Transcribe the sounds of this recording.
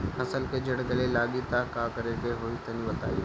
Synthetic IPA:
ɐsəlked͡ʒɐɽɡɐlelaːɠit̪akaːkɐɾekeɦoit̪ɐnĩʋɐt̪a̰ːi

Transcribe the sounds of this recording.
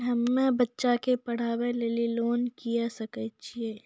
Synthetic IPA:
ɦɐmːẽbɐtːʃakepɐɽ̤aːweleːliloːnkijasɐkət͡ʃʰieː

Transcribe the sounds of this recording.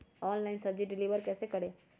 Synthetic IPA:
ɔːnlaːɪnsɐbd͡ʒiʈɖɪliːʋəɾkɛːsekɐɽeː

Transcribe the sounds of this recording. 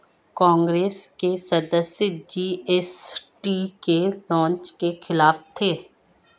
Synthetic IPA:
kɔ̃ːŋɡɾeːskesɐd̪əsjəd͡ʒiːesʈiːkelɔ̃ːnt͡ʃkexɪlaːft̪ʰeː

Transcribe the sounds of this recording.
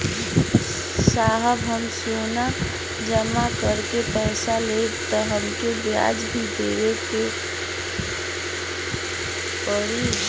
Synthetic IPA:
saːɦəbɦəmsona | d͡ʒəmakəɾkepəɪsalet̪əɦəmkebja̰d͡ʒbʱid̪eʋeke | pəɽi

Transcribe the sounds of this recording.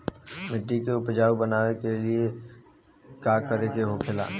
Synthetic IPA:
mɪʈːikeʊpd͡ʒaːwbənaːʋekelie | kaːkəɾekeɦokʰɪla̰ː

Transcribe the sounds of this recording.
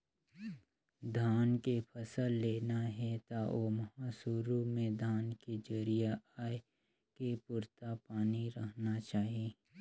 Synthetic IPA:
d̪ʱaːnkepʰɐsəlːeːnaɦɛt̪aʔomɐɦaːsuɾumẽd̪ʱaːnked͡ʒɐɾijaaːe | kepʊɾt̪apaːniɾɐɦnat͡ʃaːɦieː

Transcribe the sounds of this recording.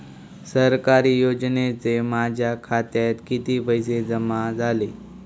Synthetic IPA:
səɾkaɾiːjod͡znet͡semad͡ʑʱjakʰat̪jat̪kit̪iːbəjsed͡zəmad͡zʱale

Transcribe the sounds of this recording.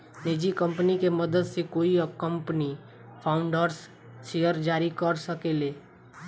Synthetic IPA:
neːd͡ʒikə̃mpənikeməd̪əd̪sekoːikə̃mpəni | pʰaːʊ̃ɳɖəɾs | ʃeːjəɾd͡ʒaːɾikəɾsəkeːleː

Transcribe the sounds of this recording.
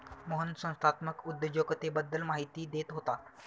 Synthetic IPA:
moɦənsə̃w̃st̪ʰat̪məkud̪jəd͡ʑjoɡt̪ebəd̪ːəlmaɦit̪iːd̪et̪ɦot̪a

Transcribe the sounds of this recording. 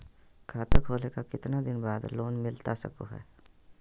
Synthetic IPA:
kʰaːt̪ʰekʰoːlekakɪt̪nad̪ɪnbaːd̪loːnmɪlt̪asɐ̰koɦɛ̰ː

